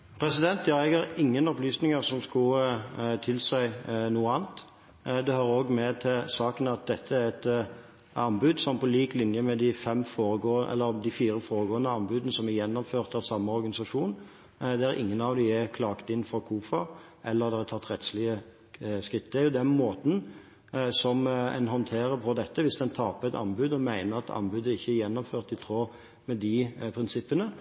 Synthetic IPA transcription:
pʰɾɛsɪd̪ɛnt̪jɑːɛɡæɾɪŋːənɔplyːsnɪŋəɾsɔmskʊt̪ʰɪlsæɪnuːəɑːnt̪ | d̪ɛhøːɾəoːɡmɛt̪ʰɪlsɑːkənɑt̪̚d̪ɛt̪ʰːəæɾɛt̪ | ɑnbʉd̪sɔmpɔliːklɪnjəmɛd̪ɪfɛmfoːɾəɡoːʔɛ̰lːəd̪ɪfiːɾəfoːɾəɡoːənəɑnbʉd̪ənəsɔmæjɛnːɔmføːʁt̪ɑʋsɑmːəɔɾɡɑnɪsɑʂuːn | d̪ɛæɾʔɪ̰ŋːənɑʋd̪ɪækʰlɑːkt̪ɪnfɔkʰuːfə | ʔɛlːəʁd̪ɛɑt̪ʰɑt̪ːɾɛt̪slɪə | skɾɪt̪ːəʊd̪ɛnmoːt̪n̩ | sɔmɛ̰nɦɔnt̪ʰeːɾəɾpʰɔd̪ɛt̪ːəʋɪsd̪ɛnt̪ʰɑːpəɛt̪ɑ̰nbʉd̪ɔmæɪnəɾɑt̪ʰɑ̰nbʉd̪əɪçːəjɛnːɔmføːʁt̪ɪt̪ʰɾoː | mɛd̪ɪpʰɾɪnsɪpːənə

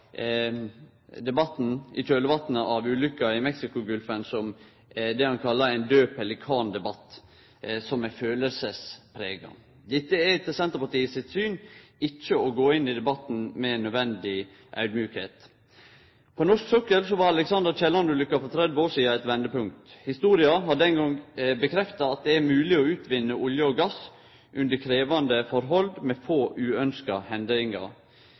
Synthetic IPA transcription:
d̪ɛbɑt̪ːn̩ɪ̰tʰøːləʋɑt̪nʔɑʋʉːlʏkːɑɪmɛksɪkʊɡʉlfənsɔm | d̪ɛhɑnkʰɑlːɑɾɛɪnd̪øːpɛlːəkʰɑːnd̪ɛbɑt̪ː | sɔmæføːləlsəspʰɾeːɡɑ̰ŋ | d̪ɛt̪ːəɛt̪ʰəsɛnt̪əɾpɑʈiːəsɪt̪syːnɪt͡ʃːəɔɡoːɪnːɪd̪ɛbɑt̪n̩mɛnːœd̪ʋɛnd̪ɪ | ʔœ̰ʉd̪mjʉːkhḛːt̪ | pʰɔnɔʂksœkəlsɔʋɑɾɑlɛksɑnd̪əɾt͡ʃɛlɑnʉlʏkːɑfɔt̪ʰɾɛd̪ʋəoːʂiːɑɛt̪ʋɛnd̪əpʉŋk̚t̪hɪst̪uːɾɪɑɦɑɖɛnɡɔŋbəkʰɾɛft̪ɑɑt̪̚d̪ɛæɾmʉːlɪɔʉːt̪ʰʋɪnːəʔʊljəɔɡɑs | ʔʉnd̪əkʰɾeːʋɑnd̪əfɔɾɦɔld̪mɛfoːʔʉːœnskɑhɛnd̪əɾɪŋɑ̰

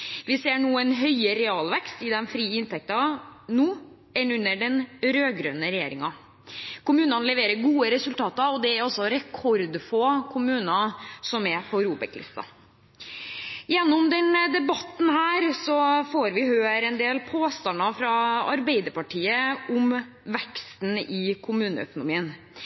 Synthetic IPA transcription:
ʋɪseːɳuːənɦœʏəɾɛɑːlʋɛkst̪ɪd̪ɛnfɾiːɪnt̪ʰɛk̚t̪ɑnuː | ɛnʉnːəɖɛnɾøːɡɾøːnəɾɛjḛːɾɪŋɑ | kʊmʉːnɑnlɛʋeːɾəɾɡuːəɾɛsʉlt̪ʰɑːt̪ɑɔd̪ɛæɾɔsːɔɾɛkʰɔɾd̪fʰɔkʰʊmʉːnɑsɔmɛpʰɔɾuːbɛ̰klɪ̰st̪ɑ̰ | jɛnːʊmd̪ɛnd̪ɛbɑt̪ːn̩hæːɾsɔfoːɾʋɪhøːɾɛnd̪eːlpʰoːst̪ɑnːɑfɾɑɑɾbɛɪd̪əɾpɑʈʰiːəʊm | ʋɛkst̪n̩ɪkʰʊmʉːnə̰œ̰kʊnʊmiːən

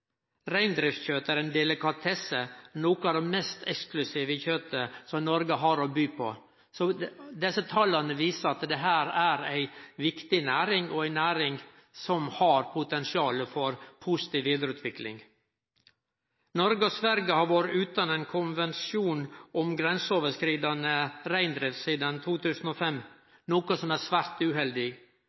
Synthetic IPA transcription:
ɾæɪnd̪ɾɪft̪çøːt̪əæɾeːnd̪ɛləkɑt̪ʰɛsənoːkəɑd̪ɛmɛst̪ʰɛksklʉsiːʋəçøːt̪əsɔmnɔɾɡəɦɑɾobyːpʰɔ̰ | sɔːd̪ɛsət̪ʰɑlɑnəʋiːsəɑt̪d̪ɛɦæːɾæːɾæɪʋɪkt̪ɪnæːɾɪŋɔæɪnæːɾɪŋ | sɔmhɑɾpʰʊt̪ɛnsɪɑːləfɔɾpʰusɪ̥t̪iːʋʋiːd̪əɾʉːt̪ʰʋɪklɪ̰ŋ | nɔɾɡəɔsʋæɾɡəhɑɾʋoɾɪʉːt̪ɑneːnkʰʊnʋɛnsjuːnʔɔmɡɾɛnsəoːʋəʂkɾiːd̪ɑnəɾæɪnd̪ɾɪʋsiːd̪ənt̪ʰuːt̪ʰʉːsən̩ɔfɛmː | nuːkəsɔmæsʋæːɾt̪ʉːɦɛld̪ɪ

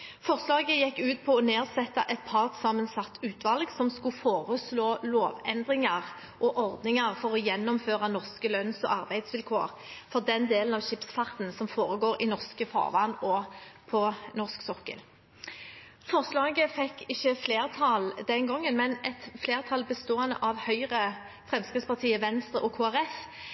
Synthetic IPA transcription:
fɔʁslɑːɡəjɛkːʉːt̪pʰɔɔneːʁsɛt̪ːɑʔɛt̪̚pʰɑʁt̪sɑːmənsɑt̪ːʉːt̪ʋɑlɡsɔmskʉfoːʁəsloːloːʋɛnd̪ʁɪŋɑʁ | ʔɔʔɔʁd̪nɪŋɑʁfɔʁɔjɛnːɔmføːʁɑnɔʁskəlœnsɔ̰ʔɑʁbæɪd̪sʋɪlkʰo̰ːʁ | fɔʁd̪ɛnd̪eːlnɑʋɕɪpsfɑʁt̪nsɔmfoːɾəɡoːɾɪnɔʁskəfɑ̰ːʁʋɑ̰ːnɔpʰɔnɔʁsksɔkːə̰l | fɔʁslɑːɡəfɛkːɪçːəfleːʁt̪ʰɑld̪ɛnɡɔŋːənmɛnɛt̪fleːʁt̪ʰɑlbəst̪oːənə̰ʔɑʋhœʏʁə | fʁɛmskʁɪt̪spɑʁt̪ʰiːəʋɛnst̪ʁəʔɔkʰoːæʁɛf

